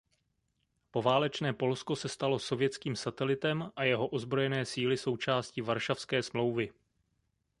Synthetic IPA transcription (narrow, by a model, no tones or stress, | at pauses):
po̞vaːlɛt͡ʃnɛːpo̞lsko̞sɛst̪alo̞so̞vjɛt͡skiːmsat̪ɛlɪt̪ɛmʔajɛɦo̞ʔo̞zbɾo̞jɛnɛːsiːlɪso̞wt͡ʃaːscivaɾʃafskɛːsmlo̞wvɪ